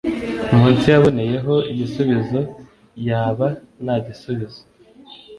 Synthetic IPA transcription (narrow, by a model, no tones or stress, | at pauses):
umuːnsijaβo̞neje̞ɦo̞iɟisuβizo̞ | jaːβa | naɟisuβizo